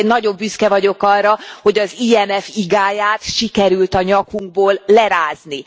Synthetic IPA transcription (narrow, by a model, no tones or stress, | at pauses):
nːɒɟo̞mbyskɛvɒɟo̞kɒrːɒho̞ɟɒziːɛnɛfiɡaːjaːt̪ʃikɛɾylt̪ɒɲɒkuŋɡ̚boːlːɛɾaːzni